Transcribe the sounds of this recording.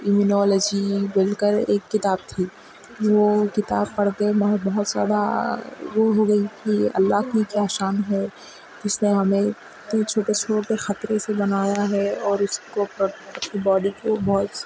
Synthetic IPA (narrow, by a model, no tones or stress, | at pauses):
ɪmunɔːləd͡ʒibɪlkəɾḛːkːɪt̪aːb̚t̪ʰiː | ʋokɪt̪aːbpɐɽk̪eemɐɦbɐɦʊt̪zja̰ːd̪a̰ | ʋoɦoɡɐik̪ʰiɐ̰lːaɦkikjaːʃaːnɦɛ | d͡ʒɪsneɦɐmẽ | t̪ẽt͡ʃʰoːʈet͡ʃʰoːʈexɐt̪ɾesebɐnaːjaɦɛɔːɾʊskopɐtʰibɔːɖikobɔɦt̪